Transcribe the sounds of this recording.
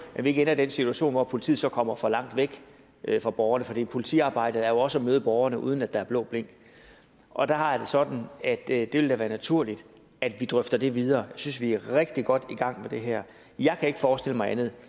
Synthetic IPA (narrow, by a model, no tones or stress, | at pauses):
mæʋie̝ɡ̥enɐd̥ensit͡sʰuæɕo̝̰ːnʋɒpʰo̝lit͡sʰḭð̩ˠsɒ̽kʰɒ̽m̰ɐfɒ̽lɑ̈ŋ̰d̥ʋeɡ̥ | ʔfʁɑ̈b̥ɒʊɐnəfɒ̽d̥ḭːpʰo̝lit͡sʰḭːɑ̈ːb̥ɑ̈ɪ̰d̥əð̞̩ˠæɐjo̝ɒ̽səɒmøːð̞̩ˠb̥ɒʊɐnəʔṵːð̞ˠən̩æd̥ɑ̈æɐb̥lɔ̰̽ːb̥le̝ŋ̰ɡ̥ | ʔɒ̽d̥ɑhɑ̈jd̥e̝sɒ̽d̥n̩æd̥d̥e̝ʋe̝ld̥æʋæːɐnæt͡sʰuɐ̰lid̥ | æd̥ʋid̥ʁœfd̥ɐd̥e̝ʋið̞ˠɐːjɑ̈ɪsynsʋiæʁeɡ̥̚d̥iɡ̥ɒ̽d̥iɡ̥ɑ̈ŋ̰med̥e̝ɦæɐ̰ | jɑ̈ɪkʰæe̝ɡ̥fɒːsd̥e̝l̰əmɑ̈ɪænð̞̩ˠ